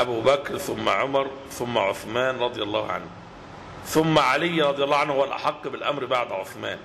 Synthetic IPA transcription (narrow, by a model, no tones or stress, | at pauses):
ʔæbuːbækɾθʊmːæ̰ʕomɑɾˤ | θʊmːæʕoθmæːnɾˤɑd̪ˤɨjɑlˤːɑːhʕa̰nh | θʊmːæʕalɪjːɾˤɑd̪ˤɨjɑlˤːɑːhʕanhhowælʔa̰ħɑqːbɪlʔæmɾbaʕd̪ʕoθmæ̰ːn